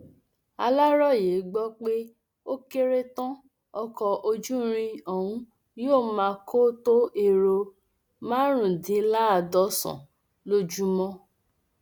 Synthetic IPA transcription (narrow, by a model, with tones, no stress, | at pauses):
a˧la˦ɾɔ˦˨je˨˦ɡ͡bɔ˦k͡pe˦ | o˦ke˦ɾe˦tã˦ | ɔ˦˧kɔ˧ʔo˧d͡ʒu˦ɾ̃ĩ˧ɔ˨wũ˨˦ | joː˦˨mãː˧ko˦to˦e˦˧ɾo˧ | mãː˦ɾ̃ũ˨dĩ˨˦la˦a˧˨dɔ˧˦sɔ̰̃˨ | lo˦d͡ʒu˦mɔ̃˦